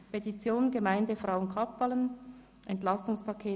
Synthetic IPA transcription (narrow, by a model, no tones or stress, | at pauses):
pʰetit͡sjoːnɡəmaɪndəfʁaʊənkʰɑpːalən | ʔɛntlɑstʊŋspʰɑkʰeː